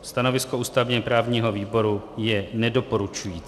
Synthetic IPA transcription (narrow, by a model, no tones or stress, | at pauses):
st̪ano̞vɪsko̞uːst̪avɲɛpɾaːvɲiːɦo̞viːbo̞ɾujɛnɛdo̞po̞ɾut͡ʃujiːt͡s